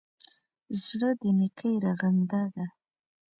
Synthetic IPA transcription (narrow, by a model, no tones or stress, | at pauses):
zɽəd̪ənɪkʰəjɾaɣand̪ad̪a